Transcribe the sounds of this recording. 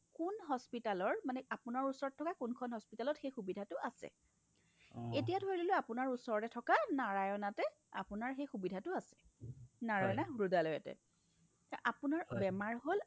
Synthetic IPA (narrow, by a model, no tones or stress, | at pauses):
kunɦɔspitalɔɹmanɛapʊnaɹusɔɹɔtʰːɔkakunkʰɔnɦɔspitalɔtxejxubidʱatʊasɛ̰ | etijadʱojloloapʊnaɹusɔɹtɛtʰɔkanaɹajɔnatɛ | a̰pʊnaɹxejxubidʱatʊasɛ̥naɹajɔnaɦuɹudalɔjɛ̰tɛ̰ | ʔapʊnaɹbɛmaɹɦol